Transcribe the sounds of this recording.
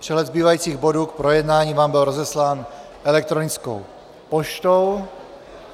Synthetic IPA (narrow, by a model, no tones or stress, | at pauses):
pr̥ɛɦlɛd̪zbiːvajiːt͡siːɣbo̞duːkpɾo̞jɛdnaːɲiːvaːmbɪlɾo̞zɛslaːn | ʔɛlɛk̚t̪ɾonɪt͡sko̰w | poʃt̪ow